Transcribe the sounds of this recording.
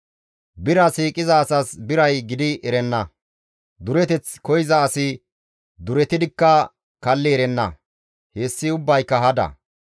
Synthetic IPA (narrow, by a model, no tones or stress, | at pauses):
bɪɾɐsiːkʼɪzɐːsɐsbɪɾɐjɡɪd̪ɪʔɛɾɛnːɐ | d̪ʊɾɛt̪ɛt͡skɔjɪzɐːsɪ | d̪ʊɾɛt̪ɪd̪ɪkːɐ | kɐlːɪɛɾɛnːɐ | heːsːɪʊbːɐjkːɐɦɐd̪ɐ̰